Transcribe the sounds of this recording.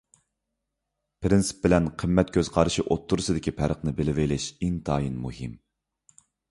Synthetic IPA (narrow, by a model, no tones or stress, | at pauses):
pʰɾɪnsɨ̥p̚bɪlɛnqʰəmːɛt̪̚kʲʰøzqʰɑɾɨʃiʔot̪ʰːuɾɨsɨd̪ɪkʲʰipʰæɾəqnɨbɪlɪvejlɪʃiŋt̪ʰɑːjinmuhɪm